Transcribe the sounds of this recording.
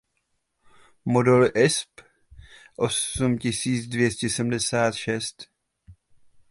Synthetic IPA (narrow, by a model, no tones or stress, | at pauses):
modɛlʔɪsp | ʔosumcɪsiːt͡sdvjɛscɛsɛm̩dɛsaːt̪ʃɛst̪